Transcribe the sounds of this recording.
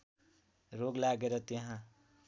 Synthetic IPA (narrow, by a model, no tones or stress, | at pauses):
ɾoɡlaɡeɾʌt̪eɦã